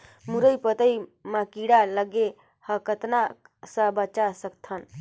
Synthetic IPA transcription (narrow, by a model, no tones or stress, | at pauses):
muɾəjpət̪əjmakiɽaləɡe | həkət̪na | səbət͡ʃasək̚t̪ʰən